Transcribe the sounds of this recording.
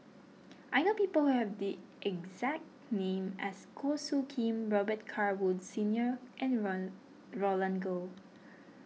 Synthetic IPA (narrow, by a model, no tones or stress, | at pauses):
ʔajnopipəlhuhɛvdiʔɛɡzɛk̚tnẽmɛskʰosukʰĩmɹɔbət̚kʰaɹwudsĩnjəʔɛ̃n | ɹolãnɡo